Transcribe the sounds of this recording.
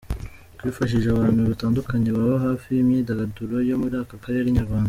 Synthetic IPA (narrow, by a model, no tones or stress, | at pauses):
kwiːfaʃ̬iʒeaβaːnhuβitaːndukaɲe̞βaβaɦaːfijimɲidaɡaduɾo̞jo̞muɾiaːkakaɾeɾiɲaɾɡwaːnda